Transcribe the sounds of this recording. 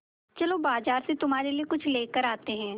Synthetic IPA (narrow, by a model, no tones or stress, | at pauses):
t͡ʃɐlobaːzaːɾset̪ʊmɦaːɾeliekʊt͡ʃʰleːkəɾaːt̪eɦɛ̃ː